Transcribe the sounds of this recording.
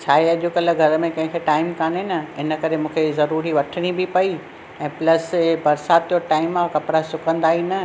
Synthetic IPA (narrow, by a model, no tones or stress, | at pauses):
t͡ɕʰaːɦeɐʄʊkɐləɡʱɐɾə̆mẽkɐ̃ɦɪ̃kʰeʈaːɪmkaːnenɐɪnə̆kɐɾemũːkʰezɐɾuːɾiʋɐʈʰəɽ̃ibɪpɐi | ɛ̃ːplɐsbɐɾsaːt̪joʈaːɪmãkɐpɾasʊkə̃nd̪aːɦinɐ